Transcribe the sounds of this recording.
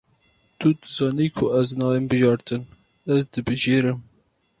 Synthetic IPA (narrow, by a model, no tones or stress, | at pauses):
t̪ud̪ɨz̥ɑːniːkʰʊʔɛznɑːembɨʒɑːɾt̪ʰɨn | ɛzd̪ɨbɨʒeːɾɨm